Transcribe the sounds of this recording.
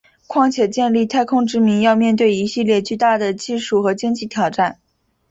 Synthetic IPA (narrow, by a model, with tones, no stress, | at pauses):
kʰwɑ˥˩ŋt͡ɕʰjɛ˨˩t͡ɕjɛ˥˧nli˥˩˧t̪ʰa˥˧ɪkʰʊ˥ŋʈ͡ʂɻ̩˥mi˧˥ŋjɑ˥˧ʊmjɛ˥˧nt̪̬we˥˩ɪi˧˥ɕi˥˧ljɛ˥˧t͡ɕy˥˧t̪a˥˩d̪ə˩t͡ɕi˥˧ʂu˥˩xɤ˧˥t͡ɕi˥ŋt͡ɕi˥˩t̪ʰjɑ˨˩ʊʈ͡ʂa˥˩n